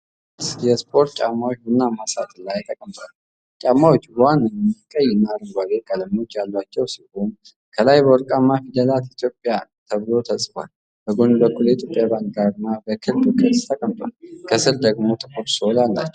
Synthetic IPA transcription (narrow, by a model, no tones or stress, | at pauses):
jɛspʰʼo̞ɾt̪̚t͡ʃʼamːawot͡ʃːbunːamasa̰t̪ʼɨlːajat̪ʼəkʼəmt̪ʼal | t͡ʃʼamːawot͡ʃːbwanːɨmikʼəjɪnaɾəɡʷalekʼələmo̞t͡ʃːjalːwat͡ʃːɛwsilhon | kʰəlajbəwɔɾkʼamːafid̪əlat̪it̪ʰjo̞pʼːjat̪ʰəβɨlo̞t̪ʰəsʼfʷa̰l | bəɡo̞nbəkːuljɛt̪ʰjo̞pʼjabaŋk̚ɡaɾɨnːabəkʰɨlbkʰɨst̪ʰəkʼəmt̪ʼwa̰lkʰəsɨɾd̪əɡmo̞t̪ʰɨkʰʼoɾsolalːa̰t͡ʃːɛw